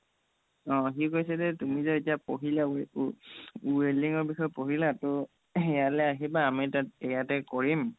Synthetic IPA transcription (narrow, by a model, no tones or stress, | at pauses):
ɔ̃xikojsɛzɛtumizaetijapoɦila | ueliŋɔɹbixɔjpoɦilatʊ | ɛjalɛaɦibaːmitat̚ɛjatɛkoɹim